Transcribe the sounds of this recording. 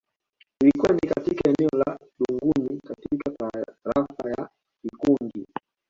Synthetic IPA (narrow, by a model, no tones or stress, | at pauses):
ilikuwanikatikaɛnɛɔlaɗuŋɡunikatikataɾafaja | vikunɡi